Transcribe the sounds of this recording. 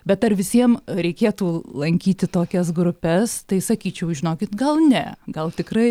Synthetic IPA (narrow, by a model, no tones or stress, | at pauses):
bʲɛt̪ɐrʋʲɪsʲiɛmɾʲɛɪkʲeːt̪uːlˠɐŋʲkʲiːt̪ʲɪt̪oːkʲɛsɡɾʊpʲɛst̪ɐɪsɐkʲiːt͡ʃʲɛʊʒʲɪnoːkʲɪt̪ɡɐlˠnʲɛɡɐlˠt̪ʲɪkrɐɪ